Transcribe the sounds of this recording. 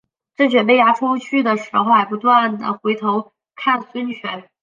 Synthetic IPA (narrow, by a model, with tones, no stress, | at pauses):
ʈ͡ʂɤ˥˩t͡ɕɥɛ˨˩np̬e˥˩ɪja˥ʈ͡ʂʰo˥t͡ɕʰy˥˩d̪ə˩ʂɻ̩˧˥xo˧ʊxa˧˥ɪp̬u˧˥t̪wa˥˩nd̪ə̰˩xwe˧˥ɪt̪ʰo˧˥ʊ | kʰa˥˩nswə˥nt͡ɕʰɥɛ˧˥n